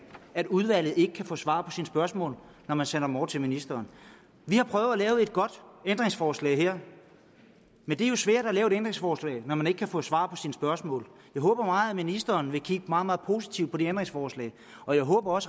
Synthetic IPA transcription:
æd̥uð̞ˠʋæl̰ð̩ˠe̝ɡ̥ə̥kʰæfɔ̰̽ːsʋɑ̈ːpʰɒ̽sinsb̥ɶɐsmɔ̰̽ːl | nɒmænsenɐmɒ̰̥ːt͡sʰe̝minisd̥ɐːn | ʋihɑ̈pʰʁœʊælɛːʊe̝d̥̚ɡ̥ɒ̽d̥end̥ʁeŋsfɒːslɛ̰ɪɦheɐ̰ | mend̥eɐjo̝sʋæɐ̰ɾ̥ælɛːʊe̝ɾend̥ʁeŋsfɒːslɛ̰ɪnɒmæne̝ɡ̥ə̥kʰæfɔ̰̽ːsʋɑ̰̈ːpʰɒ̽sinsb̥ɶɐsmɔ̰̽ːljɑ̈ɪɦɔ̽ːb̥ɐmɑ̈ːð̩ˠæminisd̥ɐːnʋe̝kʰiɡ̥əmɑ̈ːð̩ˠmɑ̈ːð̩ˠpʰo̝si̥t͡sʰiʊd̥̚pʰɒ̽d̥iend̥ʁeŋsfɒːslɛ̰ːɪ | ɒ̽jɑ̈ɪɦɔ̰ːb̥ɐɒ̽s

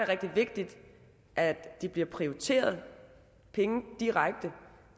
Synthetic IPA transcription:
eʁɛɡ̥d̥iʋe̝ɡ̥̚d̥id̥ | ʔæ̥d̥ib̥liɐpʰʁioʁit͡sʰe̝̰ːɐð̞ˠ | pʰeŋəd̥iʁaɡ̥̚d̥ə

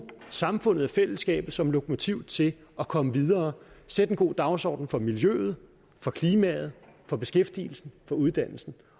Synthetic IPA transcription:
sɑ̈mfɔ̽n̰ð̞̩ˠæfel̰əsɡ̥ɛ̰ːb̥ð̩ˠsɒ̽mlo̝kʰo̝mo̝t͡sʰiʊt͡sʰe̝ | ɒ̽kʰɒ̽məʋið̞ˠɐːsed̥enɡ̥o̝̰ːd̥ɑ̈ʊsɒ̰ːd̥n̩fɒ̽miljø̰ːð̩ˠ | fɒ̽kʰliːmɛ̰ð̞̩ˠfɒ̽b̥e̝sɡ̥efd̥ḭːl̩sn̩fɒ̽uð̞ˠd̥æn̰l̩sn̩

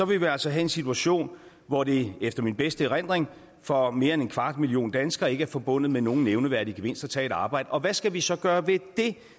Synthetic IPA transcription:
sɒ̽ʋe̝jʋiæl̰sɒ̽ɦæe̝nsit͡sʰuæɕo̝̰ːn | ʋɒde̝efd̥ɐminb̥esd̥əʁan̰d̥ʁeŋ | fɒ̽me̝ːɐene̝nkʰʋɑ̈ːd̥milio̝̰ːnd̥ænsɡ̥ɐːe̝ɡ̥əæɐfɒ̽b̥ɔ̽n̰ð̩ˠmeno̝ːŋ̩neʊnəʋæɐ̰d̥iɡ̥eʋe̝n̰sd̥æt͡sʰɛ̰ːe̝ɾɑ̈ːb̥ɑ̈ɪ̰d̥əɒ̽ʋæsɡ̥æʋisɒ̽ɡ̥ɶːɐʋe̝d̥e̝

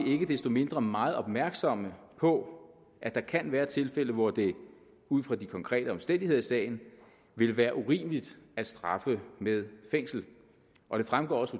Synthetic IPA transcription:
ie̝ɡ̥əd̥esd̥o̝me̝nd̥ʁɐmɑ̈ːð̞̩ˠɒ̽b̥̚mæɐɡ̥sɒ̽məpʰɒ̽ | ʔæd̥ɑ̈kʰænʋæːɐt͡sʰe̝lfel̰əʋɒd̥e̝ | uð̞̰ˠfʁɑ̈d̥ikʰɒ̽ŋkʰʁɛ̰ːɾ̥əɒ̽msd̥en̰d̥ihe̝ð̞̰ˠisɛ̰ːɪn̩ | ʋe̝lʋæːɐʔuʁḭːməlid̥æ̥sd̥ʁɑ̈fəmeð̞ˠfeŋ̰sl̩ | ʔɒ̽ɾ̥e̝fʁamɡ̥ɒ̰ːɒ̽su

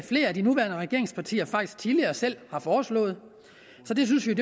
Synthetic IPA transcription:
fle̝̰ːɐæd̥inuʋæɐnəʁɛɡ̥e̝ɐe̝ŋspʰɑ̈t͡sʰḭːɐfɑ̈ɡ̥d̥isɡ̥̚t͡sʰiðliɐːsel̰hɑ̈fɒːslɔ̰̽ːð̞̩ˠ | sɒ̽d̥e̝s̬ynsʋiod̥e

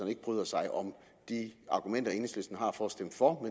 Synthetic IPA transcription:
ɐne̝ɡ̥əb̥ʁyːðˠɐsɑ̈ɪʔɒ̽m | d̥iɑ̈ɡ̥umen̰d̥ɐe̝ːnəsløsd̥n̩ɦɑ̈fɒsd̥em̰fɒme

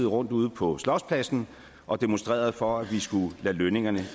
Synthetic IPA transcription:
ð̩ˠʁɔ̽n̰d̥uːð̞ˠpʰɒ̽slɒʊspʰlæsn̩ | ʔɒ̽d̥e̝monsd̥ʁḛːɐð̞̩ˠfɒ̽æʋisɡ̥ulæløne̝ŋɐnə

